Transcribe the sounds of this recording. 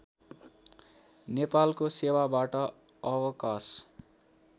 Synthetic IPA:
nepalkosewabaʈʌ | ʌwʌkas

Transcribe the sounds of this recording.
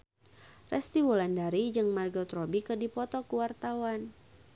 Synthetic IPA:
rɛst̪iwulandaɾid͡ʒɨŋmarɡɔt̪ɾɔbikɨrdipɔt̪ɔkuwart̪awan

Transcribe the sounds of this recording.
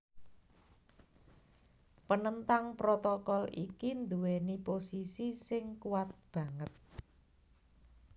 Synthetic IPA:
pənənt̪aŋpɾot̪ɔkɔlḭkind̪uweniposisisɪŋkuwat̪̚b̥ä̤ŋət̪̚

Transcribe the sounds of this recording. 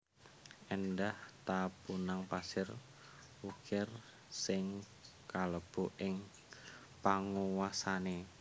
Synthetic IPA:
ʔɛndaht̪apunaŋpasɪr | wukɪr | sɪŋ | kaləb̥oʔɪŋ | paŋuwasane

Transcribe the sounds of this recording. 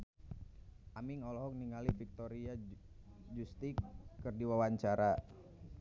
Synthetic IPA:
ʔamiŋɔlɔɦɔk̚niŋalifik̚t̪oɾia | d͡ʒust̪ikːɨrdiwawaɲt͡ʃaɾa

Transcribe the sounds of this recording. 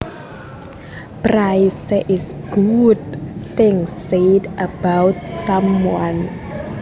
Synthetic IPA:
prajsɛʔɪsɡ̥udtɪŋsetʔəb̥awt̪̚samwan

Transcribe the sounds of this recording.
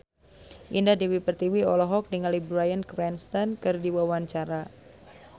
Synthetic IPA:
ʔindahdiwipərt̪iwiɔlɔɦɔk̚dəŋanlibɾajankɾɛnst̪ankɨrdiwawaɲt͡ʃaɾa

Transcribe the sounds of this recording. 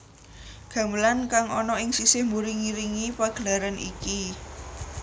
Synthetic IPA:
ɡ̥a̤məlankaŋʔɔnɔɪŋsisɪhmuɾiŋiɾiŋipaɡ̥əlaɾanʔḭki

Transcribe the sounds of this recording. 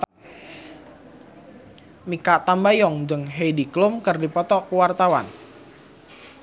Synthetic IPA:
mikaʔt̪ambajɔŋd͡ʒəŋɦejdiklʊmkərdipɔt̪ɔʔkuwart̪awa̰n

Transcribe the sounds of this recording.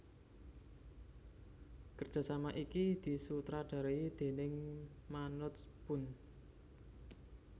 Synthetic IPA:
kərdd͡ʒ̥ʒ̥a̤samaʔikid̪̥i̤sut̪ɾaɖ̪̥a̤ɾeid̪̥e̤nɪŋmanʊt̪spʊn

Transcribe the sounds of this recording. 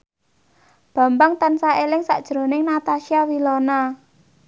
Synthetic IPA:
b̥a̤mbaŋt̪ansaelɪŋsa̰ʔd̥ʒ̥ɾo̤nɪŋnat̪aʃiawilɔna

